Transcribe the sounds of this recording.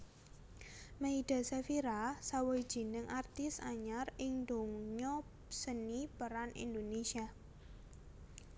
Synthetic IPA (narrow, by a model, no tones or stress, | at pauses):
meid̪̥a̤sefiɾasawoi̥d͡ʒ̥i̤nəŋʔart̪ɪsaɲarɪŋnd̪oŋɲɔ | sənipəɾanḭnd̪onesia